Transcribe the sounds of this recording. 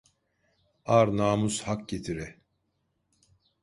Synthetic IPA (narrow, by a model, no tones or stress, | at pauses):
aɾnaːmushak̚ɟe̞t̪ʰiɾɛ